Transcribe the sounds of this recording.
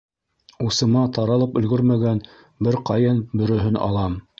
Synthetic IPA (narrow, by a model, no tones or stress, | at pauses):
usɤ̆mɑt̪ɑɾɑlˠɤpɵ̆lɡɵɾmæɡæn | bɘɾqɑjɤnbɵ̆ɾɵ̆ɦɵnʔɑ̰lˠɑm